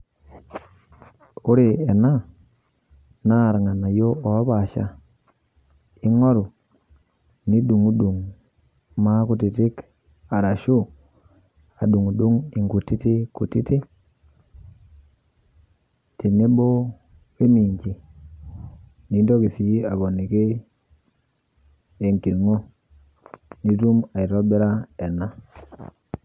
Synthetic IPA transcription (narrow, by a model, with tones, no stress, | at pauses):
u˦ɾi˨e˨na˦ | na˦˨ɾŋa˨na˨jo˦o˨a˦βa˨ʃa̰˨ | i˦ŋo˦ɾu˨ | ni˦ɗu˨ŋu˦ɗu˨ŋ | ma˦ku˨ti˨ti˦k | a˨ɾa˨ʃu˦ | a˨ɗu˨ŋu˨ɗu˦ŋi˨ŋɡu˨ti˦te˦ku˨ti˦te˦ | ti˨nːe˦bo˦ | e˦mi˨ɲd͡ʒi˨ | ni˨˦ndo˦ki˨si˦a˨bo˨nːi˨ke˦ | e˨ŋki˨nŋo˦ | ni˦tu˦ma˨i˨ɾo˦be˦ɾa˦e˨nːa˦